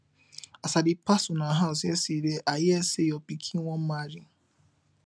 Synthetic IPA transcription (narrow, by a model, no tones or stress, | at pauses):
asadɪpasʊnaɦaʊs̬esideʔajɪesejɔpikʰiwʷɔm̩maɾi